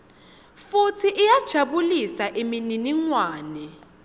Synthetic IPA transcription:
futʰiʔijad̥ʒ̥ʱaɓulisaʔimininiŋwaːnɛ

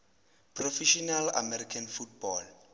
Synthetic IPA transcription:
pʰrɔfɛʃɔnala̰mɛɾikʰanfut̚bɔl

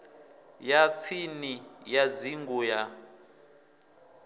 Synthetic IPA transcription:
jat͡sʰinijad͡ziŋɡuja

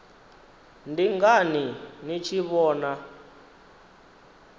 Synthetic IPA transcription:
ndiŋɡaninit͡ʃʰiβɔːna

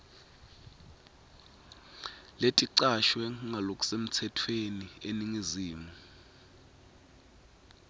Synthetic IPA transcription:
letʼiǀaʃwɛŋʱalokʼu̥sem̩tʰɛtʰwenieniŋiziːmu

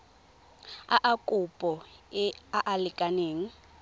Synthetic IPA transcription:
a̰ʔakʼʊpʼɔɪaʔalɪkʼaneːŋ̩

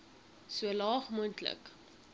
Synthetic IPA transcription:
suəlɑːχmuntlə̰k

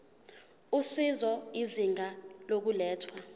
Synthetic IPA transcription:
usizɔiziŋalok̬ulɛːtʰwa

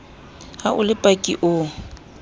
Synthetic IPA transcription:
haʔʊ̰lɪpʼakʼḭʔʊ

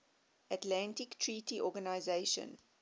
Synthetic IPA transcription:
atlæ̃ntɪktʰɹiːtiʔɔɡanaɪzeɪʃə̰̃n

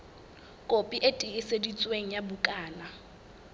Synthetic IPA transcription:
kʼopʼiʔetʼɪɪsedit͡sʼweŋ̩jabukʼaːna

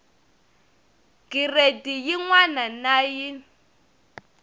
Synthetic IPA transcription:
ɡ̥iredijiŋwananaji

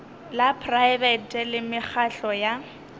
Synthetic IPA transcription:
lapʰraɪvɛtɛlɪmɪχʰaɬɔja

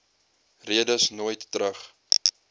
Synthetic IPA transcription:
riədəsnuəjtːrəχ

